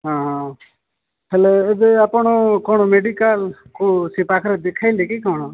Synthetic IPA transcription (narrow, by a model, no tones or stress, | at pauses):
ɦãːɦãː | pʰeleɪd̪əpːɳoːkoːnoːmeːɖiːkaːlkosiːpaːkʰɾed̪ekʰaːiːld̪eːkiːkoːnoː